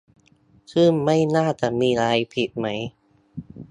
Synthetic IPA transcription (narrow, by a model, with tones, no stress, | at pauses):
kʰɯː˥˩mːa˥˩jnaː˥˩t͡ɕa˨˩miː˧ɾaː˧jpʰi˨˩t̪̚ma˦˥j